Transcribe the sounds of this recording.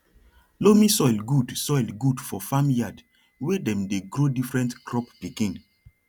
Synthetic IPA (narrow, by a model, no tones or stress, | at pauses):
lomĩsɔjlɡudsɔjlɡudfɔfamjad | wedɛ̃mdeɡɾodifɹɛ̃ntkʰɹɔppikĩn